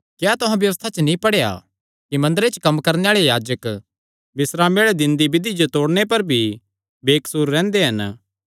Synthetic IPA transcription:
kjaːt̪ʊɦãbjɐʋəst̪ʰat͡ʃnĩpɐɽeja̰ | kimɐ̃nd̪əɾet͡ʃkɐmkɐɾneaːɭejaːd͡ʒək | bɪsɾaːmeɭed̪ɪ̃nd̪ibɪd̪id͡ʒot̪oːɽñep̬ɐɾbʱi | beːksuːɾːɛ̃ːnd̪eɦɐn

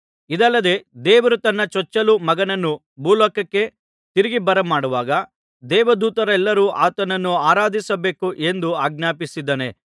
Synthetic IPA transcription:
id̪ɐlːɐd̪e̞d̪ɛːʋɐɾut̪ɐnːɐt͡ʃɔt͡ʃːɐlumɐɡɐnɐnːu | bʱuːlɔːkːɐkːe̞ | t̪iɾiɡibɐɾɐmaːɽuʋaːɡɐ | d̪ɛːʋɐd̪uːt̪ɐɾɐɛlːɐɾuːʔaːt̪ɐnɐnːuaːɾaːd̪ʱisɐbe̞ːkuʔe̞nd̪uaːɡ̚naːpisid̪ːɐnḛ

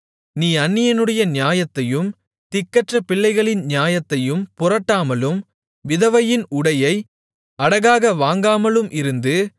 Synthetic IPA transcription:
niːɐnːɪjɐnɯɽɐjɐnjaːjɐt̪ːɐjɯm | t̪ɪkːɐʈrɐpɪɭːɐɪɣɐɭɪnnjaːjɐt̪ːɐjɯmpʊɾɐʈːaːmɐlɯm | ʋɪðɐʋɐjɪnʊɽɐjɐɪ | ɐɽɐɣaːɣɐʋaːŋɡaːmɐlɯmʔɪɾɯnd̪ɯ

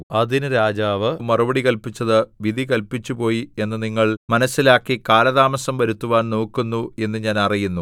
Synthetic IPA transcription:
ɐðinɨɾaːd͡ʑaːʋɨmɐrɐbɐɽikɐlpit͡ɕːɐðɨʋid̪ʱikɐlpit͡ɕːupo̞ːjie̞nːɨniŋːɐɭmɐnɐsːilaːkːikaːlɐðaːmɐsɐmʋɐɾut̪ːuʋaːnno̞ːkːunːue̞nːɨɲaːnɐrijunːu

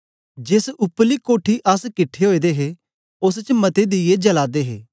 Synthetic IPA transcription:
d͡ʒesʊplikoːʈʰiʔɐskɪʈʰːeɦoːid̪eɦe | ʊst͡ʃmɐt̪ed̪ɪjed͡ʒəlaːd̪eɦḛː

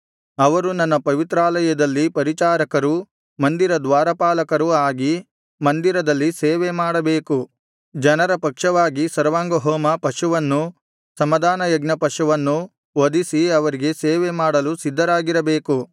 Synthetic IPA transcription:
ɐʋɐɾunɐnːɐpɐʋit̪ɾaːlɐjɐd̪ɐlːipɐɾit͡ʃaːɾɐkɐɾu | mɐnd̪iɾɐd̪ʋaːɾɐpaːlɐkɐɾuaːɡi | mɐnd̪iɾɐd̪ɐlːiseːʋemaːɽɐbeːku | d͡ʒɐnɐɾɐpɐkʂɐʋaːɡisɐɾʋaːŋɡɐɦɔːmɐpɐʃuʋɐnːu | sɐmɐd̪aːnɐjɐɡnɐpɐʂuʋɐnːu | ʋod̪isiɐʋɐɾiɡe̞seːʋemaːɽɐlusid̪ʱːɐɾaːɡiɾɐbeːku

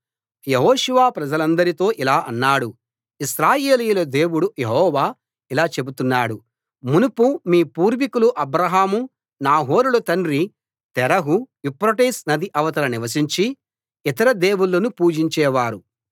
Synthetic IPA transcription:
jeɦɔːʃuʋaːpɾɐd͡ʒɐlɐnd̪ɐɾit̪o̞ːʔilaːʔɐnːaːɽu | isɾaːjeːlijulɐd̪e̞ːwuɽujeɦɔːʋaː | ilaːt͡ʃe̞but̪unːaːɽu | munupumiːpuːɾʋikuluʔɐbɾɐɦaːmu | naːɦo̞ːɾulɐt̪ɐnɾi | t̪ɛɾɐɦuʋipɾɐʈeːsnɐd̪iʔɐʋɐt̪ɐlɐniʋɐsiɲt͡ʃi | it̪ɐɾɐd̪e̞ːwuɭːɐnupuːd͡ʒiɲt͡ʃɛːʋaːɾu

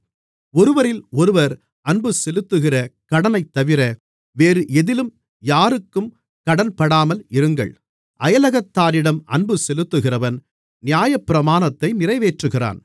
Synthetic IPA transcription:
ɔɾɯʋɐɾɪlɔɾɯʋɐɾ | ɐnbɯsɛlɯt̪ːɯɣɪrɐkɐɽɐnɐɪt̪ːɐʋɪɾɐ | ʋeːɾɯʔɛðɪlɯm | jaːɾɯkːɯm | kɐɽɐnpɐɽaːmɐlɪɾɯŋɡɐ̰ɭ | ʔɐjɐlɐɣɐt̪ːaːɾɪɽɐmɐ̰nbɯsɛlɯt̪ːɯɣɪrɐʋɐn | nɪjaːjɐpːɪɾɐmaːnɐt̪ːɐɪnɪrɐɪʋeːʈrɯɣɪra̰ːn

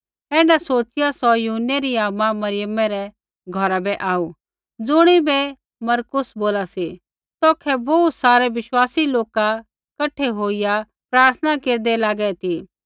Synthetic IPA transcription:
ɛ̃ːnɖasoːt͡ʃɪjasɔjʊɦəneɾiaːmamɐɾɪjəmːɛɾɛ | ɡʱɔɾabɛʔaːu | d͡zʊɽ̃ibɛ | mɐɾkʊsboːlasi | t̪ɔːkʰɛbɔːt̪saːɾɛʋɪʃwaːsiloːka | kɐʈʰːeɦoːija | pɾaːɾt̪ʰənakeːɾd̪ɛlaːɡɛt̪ʰiː

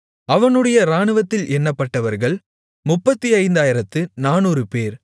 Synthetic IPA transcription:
ɐʋɐnɯɽɐjɐɾaːnɯʋɐt̪ːɪlʔɛnːɐpːɐʈːɐʋɐɾɣɐɭ | mʊpːɐt̪ːiɐɪnd̪aːjɪɾɐt̪ːɯnaːnuːɾɯpeːɾ

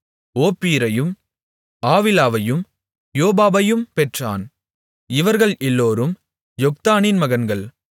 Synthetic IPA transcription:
oːpːiːɾɐjɯm | aːʋɪlaːʋɐjɯm | joːbaːbɐjɯmpɛʈraːn | ɪʋɐɾɣɐɭʔɛlːoːɾɯm | jɔk̚t̪aːninmɐɣɐnɡɐɭ

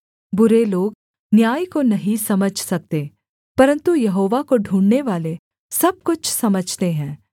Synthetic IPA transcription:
bʊɾeloːɡ̚ | njaːjkonɐɦĩsɐməd͡ʒʱsɐk̚t̪eː | pɐɾə̃nt̪ujɐɦoːʋakoɖʱũːɳɖneʋaːle | sɐb̚kʊt͡ʃʰsɐməd͡ʒʱt̪eɦɛ̃ː

